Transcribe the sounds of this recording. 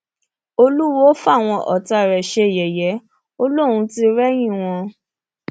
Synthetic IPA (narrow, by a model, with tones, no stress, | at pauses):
o˧lu˦wɔ˦fa˦˨w̃ɔ̃˧ʔɔ̰˨ta˧˨ɾɛ˨ʃe˧˨jɛ˨jɛ˨˦ | o˦lõ˦˨ũ˧˦ti˦ɾɛ˦j̃ĩ˦˨w̃ɔ̃˧